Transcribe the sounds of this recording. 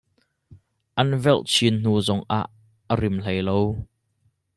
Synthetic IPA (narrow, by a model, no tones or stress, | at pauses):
ʔɐnvɛlt͡sʰinn̥uːzɔŋʔa̰ːʔː | ərɪml̥ejlow